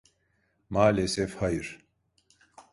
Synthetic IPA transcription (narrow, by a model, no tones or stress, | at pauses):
maːlesefhajɯɾ